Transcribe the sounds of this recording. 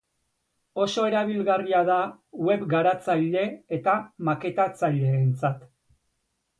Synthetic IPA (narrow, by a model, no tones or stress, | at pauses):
o̞so̞e̞ɾaβ̞ilɣariaða | we̞βɡaɾat͡saʎe̞et̪amake̞t̪at͡saʎe̞ːnt͡sat̪